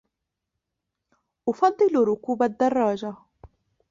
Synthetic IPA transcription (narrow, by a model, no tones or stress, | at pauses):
ʔʊfɑd̪ˤːɨlɾʊkuːbad̪ːɑrˤːɑːd͡ʒa